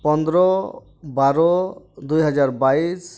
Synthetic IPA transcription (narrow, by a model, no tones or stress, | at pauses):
pɔnd̪ɾɔ | baɾɔd̪ujɦɔd͡ʒaɾbais